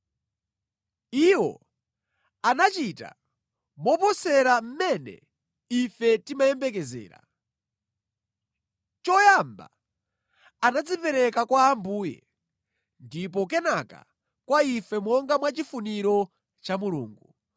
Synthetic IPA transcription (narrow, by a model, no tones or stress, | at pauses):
iwɔ̰ | anat͡ʃita̰ | mɔpɔsɛɾam̩mɛnɛ̰ | ifɛtimajɛmbɛk̬ɛzɛ̰ːɾa̰ | t͡ʃɔjamba̰ | anad͡zipɛɾɛkakwaːmbuːjɛ̰ | ndip̬ɔk̬ɛnaka̰ | kwaifɛmɔŋɡamwat͡ʃifuniɾɔ | t͡ʃamuluːŋɡu